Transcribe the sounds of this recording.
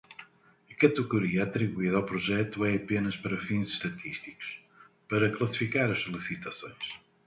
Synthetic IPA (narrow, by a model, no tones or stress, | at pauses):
ɐkɐt̪ɨɣuɾiɐɐt̪ɾiβuiðɐawpɾuʒɛt̪uɛɐpenɐʃpɐɾɐfĩzɨ̥ʃt̪ɐt̪ʰiʃt̪i̥ku̥ʃ | pɐɾɐklˠɐsi̥fikaɾɐʃsulˠisit̪ɐsõj̃ʃ